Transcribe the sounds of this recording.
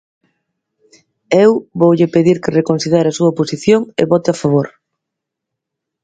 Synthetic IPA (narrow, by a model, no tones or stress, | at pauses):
ewβowʎɪpeðiɾkerekonθiðeɾasuɐposiθjoŋḛβɔt̪ɪafaβ̞oɾ